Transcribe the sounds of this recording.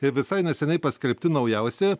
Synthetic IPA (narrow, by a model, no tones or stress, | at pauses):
ɪʋʲɪsɐɪnʲɛsʲɛnʲɛɪpɐsʲkʲɛlʲpʲt̪ʲɪnɐʊjɛˑʊsʲɛ